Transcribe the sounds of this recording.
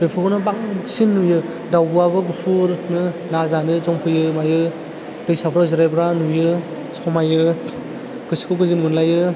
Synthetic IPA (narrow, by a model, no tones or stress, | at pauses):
bepʰɯkɔnɯbaŋsinːujɯ | dawbɯabɯɡɯpʰuɾnɯnazanɯzɔŋpʰɯjɯmajɯ | dɯjsapʰɾazɯɾajbɾanujɯ | sɔmajɯ | ɡ̥ɯsi̥kʰɯɡɯzinmunlajɯ